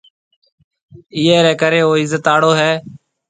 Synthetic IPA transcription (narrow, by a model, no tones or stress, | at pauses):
ɪːɛːɾɛːkəɾeːoːɪzət̪aːɽoːɦɛː